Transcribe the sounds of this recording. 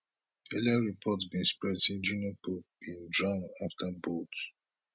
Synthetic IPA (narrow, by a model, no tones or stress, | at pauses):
ɛliaɹipʰɔtsbĩnspɹɛdsĩnd͡ʒunjɔpʰup̚ĩndɹãnaftʰəbot